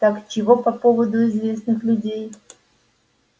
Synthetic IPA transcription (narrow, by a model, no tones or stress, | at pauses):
t̪akt͡ɕɪvopɐpo̞vəd̪ʊɪzvʲe̞snɨxlʲʊdʲej